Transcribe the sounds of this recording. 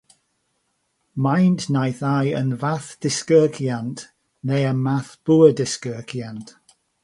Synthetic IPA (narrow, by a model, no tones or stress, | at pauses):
majntnajθajə̰nvaθd̥ɪskɜːkʰjant | nejənmaθb̥ʊədɪskɜːkʰjant